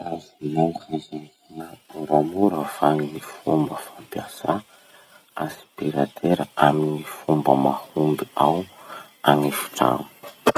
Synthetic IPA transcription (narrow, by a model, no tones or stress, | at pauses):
aziajkazahiəbamuɾəfaninifumbəfampijasa | aspiɾat̪ʰeɾəaminifumbəmahund̪uaw | anifu̥ʈ͡ʂa̰nu̥